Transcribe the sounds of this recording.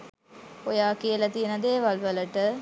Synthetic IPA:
kojaːkijəlɐt̪ijənəd̪eːʋɐlʋələʈə

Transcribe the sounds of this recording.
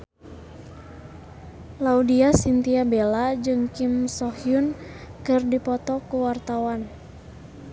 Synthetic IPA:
laudiasint̪iabelad͡ʒɨŋkimsɔhjunkɨrdipɔt̪ɔkuwart̪awan

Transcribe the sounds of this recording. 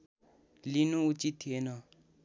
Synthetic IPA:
linuut͡ʃit̪ʰːienʌ

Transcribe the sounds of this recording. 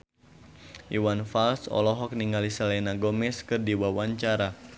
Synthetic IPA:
ʔiwanfalsɔ̰lɔɦɔk̚niŋɡalisalɛnaɡɔmɛskɨrdiwawaɲt͡ʃaɾa

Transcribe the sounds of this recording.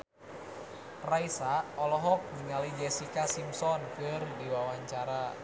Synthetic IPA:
raisaɔlɔɦɔk̚ɲiŋalid͡ʒɛsikasimsɔnkɨrdiwawaɲt͡ʃaɾa

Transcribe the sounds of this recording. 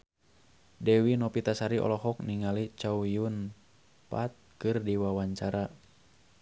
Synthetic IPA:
dɛwinɔpit̪asaɾiʔɔ̰lɔɦɔk̚niŋalit͡ʃawjun | pat̪̚kɨrdiwawaɲt͡ʃaɾa

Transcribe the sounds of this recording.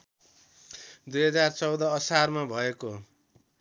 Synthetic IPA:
d̪ujɦʌd͡zart͡sʌwd̪ʌːsarmabʱʌeko

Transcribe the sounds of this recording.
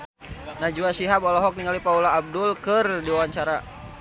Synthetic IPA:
nad͡ʒuasiɦabɔlɔɦɔk̚niŋalipaulaːb̚dulkɨrdiwawaɲt͡ʃaɾa

